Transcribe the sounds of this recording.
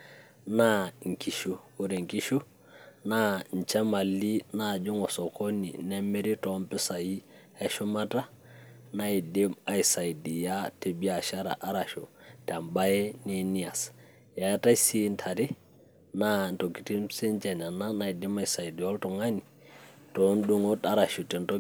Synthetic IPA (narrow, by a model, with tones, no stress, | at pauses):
na˦ŋ̩˨ki˨ʃu˦ku˦ɾe˨ŋki˦ʃu˦ | na˦n˨t͡ʃa˦ma˨li˦na˦˨d͡ʒʊ˦ŋɔ˨sɔ˨kɔ˦nḭ˨nɛ˦mɛ˦ɾi˦tɔ˨˦mpɪ˦sa˨ji˦ | ɛ˦ʃʊ˦ma˦ta˦ | na˦i˨dɪ˦ma˨i˨sa˨i˨di˨ja˦te˨bi˦a˨ʃa˦ɾa̰˨ʔa˦ɾa˨ʃo˨ta˨mba˦jɛ˦ne˨ni˦a˨s | ja˨ja˦ta˦isi˦ntʰa˨ɾi˦ | na˦nto˨ki˨ti˦msi˦nt͡ʃɛ˨na˨na˦na˨i˨di˦ma˨i˨sa˨di˨ɔ˦ltɔ˨ŋa˦ni˨ | tɔ˦ndu˦ŋɔ˦ta˦ɾa˨ʃu˨tɛ˨ntɔ˦